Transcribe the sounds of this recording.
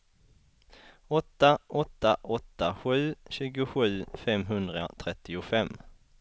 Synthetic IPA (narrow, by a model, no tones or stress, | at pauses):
ɔt̪ːaʔɔt̪ːaʔɔt̪ːaɧʉ̟ːɕʉ̟ːɡʊɧʉ̟ːfɛmɦɵnd̪ɾa̰t̪ʰɾɛt̪ːɪʊfɛmː